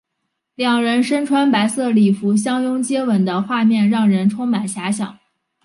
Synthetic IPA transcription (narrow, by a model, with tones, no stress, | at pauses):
ljɑ˨˩ŋɻə˧˥nʂə˥nʈ͡ʂʰwa˧˥npa˧˥ɪsɤ˥˩li˨˩fu˧˥ɕ̬jɑ˥ŋjʊ˥ŋt͡ɕjɛ˥wə˨˩nd̪ə˦xwa˥˧mjɛ˥˧nɻɑ˥˩ŋɻə˧˥nʈ͡ʂʰʊ˥ŋma˨˩nɕja˧˥ɕ̬jɑ̰˨˩˦ŋ